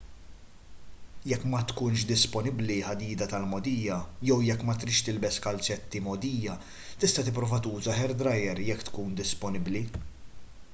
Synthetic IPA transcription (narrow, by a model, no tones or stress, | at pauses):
jɛkːmɐt̪kuːnʃ̬d̪ɪspɔnɪbliħɐd̪iːd̪ɐt̪ɐlmɔd̪iːjɐjɛwjɛkːmɐt̪ɾɪʃt̪ɪlbɛskɐlt͡ʃɛt̪ːimɔd̪iːjɐ | t̪ɪst̪ɐt̪ɪp̬ːɾɔːvɐt̪uːzɐħɛɾd̪ɾɐjɛɾjɛkːt̪kuːnd̪ɪspɔnɪbli